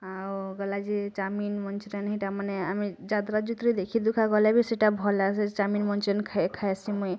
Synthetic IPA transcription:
awɡɔlad͡ʒit͡ʃaminmɔnt͡ʃɾenɦiʈamaneamid͡ʒad̪ɾad͡ʒut̪ɾid̪ekʰid̪ukʰaɡɔlɛbʱiseʈabʱɔlaset͡ʃaminmɔnt͡ʃɾenkʰakʰajsimuj

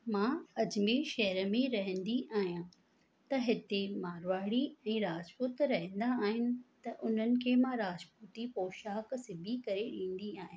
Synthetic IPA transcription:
mãːɐd͡ʑmeʃɐɦɾəmẽɾɐɦə̃nd̪iʔaːɦijã | t̪ɐɦɪt̪emaːɾʋaːɽiɛ̃ːɾaːd͡ʑpʊt̪ɾɐɦə̃nd̪aːɦɪnɪ̆t̪ɐʔʊn̤ənɪ̆kʰeːmãɾaːd͡ʑpʊt̪ipoːʃaːksɪbʱikɐɾeɗĩːn̆d̪iaːɦɪ̃nɪ̆

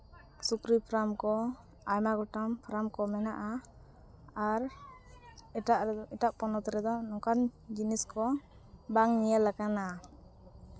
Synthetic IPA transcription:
sukɾipʰɾamkɔ | ajmaɡɔʈampʰɾamkɔmɛnaʔa | aɾ | aʔiʈaʔpɔnɔt̪ɔɾɛd̪ɔnɔkand͡ʒiniskɔ | baŋnijəlːakana

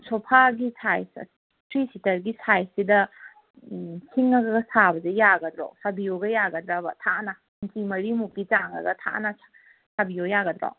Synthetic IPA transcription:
sʰopʰaɡisʰajs | tɾisitɐɾɡisajsidɐ | sʰiŋɐɡɐɡɐsʰabɐzejaɡɐdɾo̰wsabijoɡɐjaɡɐdɾabɐ̰tʰaʔnɐ | nkimɐɾimukːit͡ʃaŋɐ̰ɡɐtʰa̰nɐ | sabijojaɡɐd̪ɾo̰w

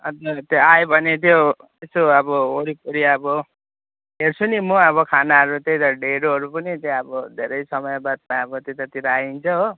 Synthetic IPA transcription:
ʌt̪ʌt̪joajbʱʌnet̪̬jo | esoʌbʌoɽipuɾiʌbʌ | ɦert͡sʰunimuʌβʌkʰanaɦʌɾut̪ejt̪ʌɖeɽoɦʌɾupʌnit̪eʌbʌd̪ʱeɾʌjsʌmʌjbad̪̚maʌbʌt̪jet̪ʌt̪iɾaaint͡sʰʌɦo

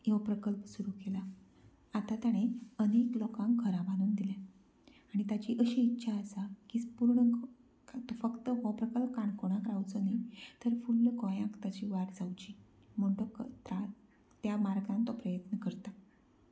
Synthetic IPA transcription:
jeʋpɾəkəlpsuɾukela | at̪at̪jaɽ̃eəneklɔkãŋkɡʰʱəɾãbaɽ̃uːnd̪ilã | aɽ̃it̪at͡ɕiːʔəɕiːtːɕʰaəsakiːspuɾɳə | t̪ɔfəkt̪əɦɔpɾəkəlpkaɳkoɽ̃ãkɾawt͡sənit̪əɾfulːkɔ̃jãkt̪at͡ɕiːʋaɾd͡zawt͡ɕiː | m̤əɳʈokt̪ɾa | t̪jamaɾɡãnt̪ɔpɾəjət̪nəkəɾt̪a

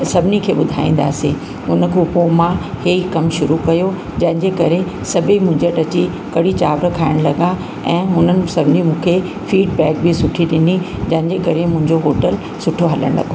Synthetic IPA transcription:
sɐbʱɪnikʰeːɓʊd̪ʱa̰ːĩːn̆d̪a̰ːsĩ | ʊnə̆kʰopomãheːikɐmʃʊɾukɐjo | d͡ʑɐ̃ɦɪ̃ɲd͡ʑekɐɾesɐbʱimʊ̃ɦɪ̃ɲd͡ʑəʈɐt͡ɕi | kɐɽit͡ɕaːʋɾəkʰaːɪɽ̃lɐɡa | ɛ̃ːɦʊnənɪ̆sɐbʱɪnimũːkʰe | fiːɖ̚bɛːk̚bisʊʈʰiɗɪni | d͡ʑɐ̃ɦɪ̃ɲ̆d͡ʑekɐɾemʊ̃ɦɪ̃ɲd͡ʑoɦoːʈəl | sʊʈʰoɦɐləɽ̃lɐ̰ɡo

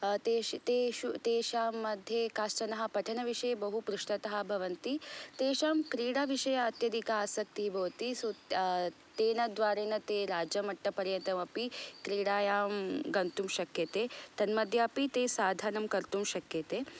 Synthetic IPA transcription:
t̪et̪eːʃut̪eːʃaːmːɐd̪ʱjekaːsʈɐnɐɦɐ̆pɐʈʰɐnɐʋiʂɐjɐbɐɦupɾuʂʈɐt̪ɐɦɐ̆bʱɐʋɐnt̪it̪eːʃaːmkɾiːɽaʋiʃɐjɐːt̪jɐd̪ikɐaːsɐk̚t̪ibʱɐːt̪isu | t̪eːnɐd̪ʋaːɾeːnɐt̪eːɾaːd͡ʒɐmɐʈːɐpɐɾjɐt̪ɐmɐpikɾiːɽaːjaːmɡɐnt̪umʃɐkjɐt̪eːt̪ɐnmɐd̪ʱjɐɐpit̪eːsaːd̪ʱaːnɐmkɐɾt̪umʃɐkjɐt̪eː

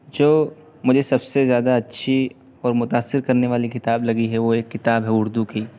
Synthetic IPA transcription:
d͡ʒoː | mʊd͡ʒʱesɐbsezjaːd̪aɐtːʃʰi | ɔːɾmʊt̪aːsːɪɾkɐɾneʋaːlikɪt̪aːblɐɡiɦɛʋoeːkːɪt̪aːbɦɛʊɾd̪ukiː

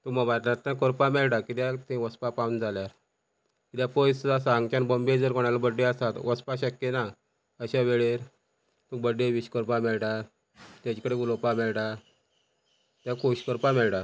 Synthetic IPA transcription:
t̪umaʋat̪laɾt̪ãkɔɾpamɛɭʈakit̪jat̪ẽʋəspapaund͡zaljaɾ | kit̪japojsd͡zasãŋɡt͡ɕanbəmbed͡zəɾkɔɽ̃alabəɖːeast̪at̪ʋəspaɕəkːena | əɕaʋeɭeɾ | t̪ubəɖːeʋiɕkəɾpamɛɭʈa | t̪jat͡ɕikəɽeɡulopamɛɭʈa | t̪jakoɕkəɾpamɛɭʈa

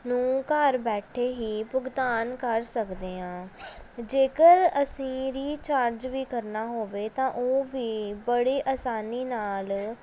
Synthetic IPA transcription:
nũːkəɾbɛːʈʰeːɦiːpʊɡt̪aːnkəɾsəkd̪eːãːd͡ʒeːkəɾəsĩːɾiːt͡ʃaːɾd͡ʒʋiːkəɾnaːɦoːʋeːt̪ãːʔoːʋiːbəɽiːʔaːsaːniːnaːl

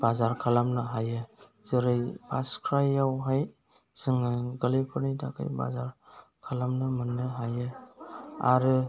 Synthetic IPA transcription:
b̥azaɾkʰalamnɯɦajɯ | zɯɾɯjpʰaskʰɾajawɦaj | z̥ɯŋaɡəlipʰɯɾnijdakʰa̰jba̰zaɾkʰalamnɯmɯnːɯɦajɯ | a̰ɾɯ

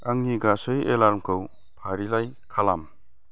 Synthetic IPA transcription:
aŋniɡasɯjʔelaɾmkʰɯw | pʰaɾilaj | kʰalam

